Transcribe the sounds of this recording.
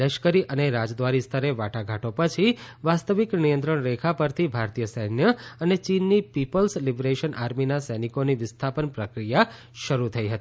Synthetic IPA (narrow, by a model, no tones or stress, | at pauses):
ləʃkəɾiʔəneɾad͡ʒd̪ʋaɾist̪ʰəɾeʋaʈaɡʱaʈopət͡ʃʰiʋast̪əʋiknijə̃nt̪̬ɾəɳɾekʰapəɾt̪ʰibʱaɾt̪ijəsəɦnjəənet͡ʃinːipipəlslibɾeʃənʔaɾminasəjnikoniʋɪst̪ʰapənpɾəkɾija | ʃəɾut̪ʰəiɦət̪i